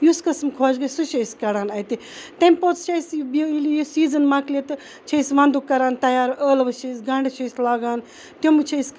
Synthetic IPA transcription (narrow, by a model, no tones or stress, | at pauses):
juskɐsmkʰoːd͡ʒɡɐsuʃɐjskɐɾaːnɐt̪i | t̪ɐmʲpot͡st͡ʃʰɐjsbilijusiːzɐnmaklet̪ɨ | t͡ʃʰɐjsʋɐ̃nd̪ukːɐɾaːnt̪ɐjaːɾəːlʋɐt͡ʃʰɐjsɡɐɳɖɐt͡ʃʰɐslaːɡaːn | t̪jomɨt͡ʃʰɐs